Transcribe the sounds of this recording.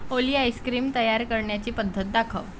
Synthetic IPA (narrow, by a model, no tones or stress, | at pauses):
oliːajskɾiːmt̪əjaɾkəɾɳjat͡ɕiːpəd̪ʱːət̪̚d̪akʰəʋ